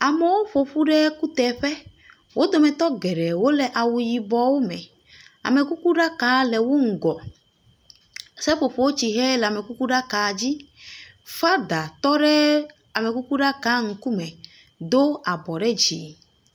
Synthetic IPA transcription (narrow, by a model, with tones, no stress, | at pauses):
a˨mɛ˨˦wo˦ɸo˨ɸu˦ɖɛ˦ku˦t̪ɛ˨ɸɛ˦ | wo˦d̪o˨mɛ̃˨t̪ɔ˦ɡɛ˨ɖɛ˨wo˦lɛ˨ʔa˨wu˨ji˨bɔ˨wo˦mɛ̃˨ | a̰˨mɛ˨ku˦ku˦ɖa˦ka˨˦lɛ˨wo˦ŋ̩˨ɡɔ˨ | sɛ˦ɸo˨ɸo˨wo˦t͡ɕi˨ɦɛ˦lɛ˨a˨mɛ˨ku˦ku˦ɖa˦ka˨d͡ʑi˦ | fa˦d̪a˨t̪ɔ˦ɖɛ˦ | a˨mɛ˨ku˦ku˦ɖa˦ka˨˦ŋ̩˨ku˦mɛ̃˨ | d̪o˦a˨bɔ˨ɖɛ˦d͡ʑḭ˨